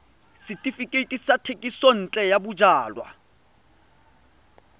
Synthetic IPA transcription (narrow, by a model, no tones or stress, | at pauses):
sɪtʼifikʼetʼisatʰekʼisɔn̩ːt͡ɬʼɛjabʊd͡ʒaːlwa̰